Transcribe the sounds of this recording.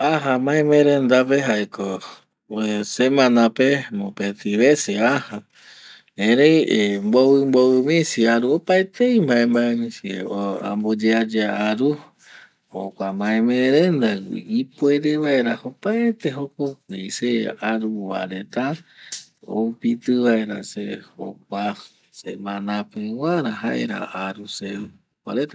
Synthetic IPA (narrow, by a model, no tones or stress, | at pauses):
aɦãmãẽmẽɾẽnd̪apeɦaekʰo | semãnãpemõpet̪iβeseaha | ẽɾejmbowɨmbowɨmĩsiaɾuopaet̪ejmbaẽmbaemĩsieoa̰mbod͡ʒead͡ʒeaaɾu | hokʷamãẽmẽɾend̪aḭipoeɾeβaeɾahopaet̪eɦokokʷejseaɾuwa̰ɾet̪a | o̰upit̪ɨβaeɾa̰seho̰k̚ʷa | semãnãpewaɾaɦaʔḛɾa̰aɾuse | wa̰ɾet̪a